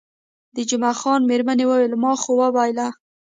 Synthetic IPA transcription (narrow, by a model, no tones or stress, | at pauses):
d̪əd͡ʒʊmaxɑnmeɾmanewəwelmɑxowabajla